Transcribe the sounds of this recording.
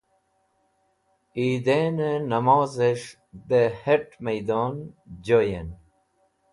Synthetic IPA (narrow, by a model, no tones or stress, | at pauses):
iːd̪enenɐmoːzeʂ | d̪eheʈmejd̪oːnd͡ʑoːjen